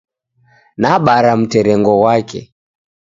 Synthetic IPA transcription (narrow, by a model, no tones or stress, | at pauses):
naɓaɾam̩tɛɾɛŋɡɔwakɛ̰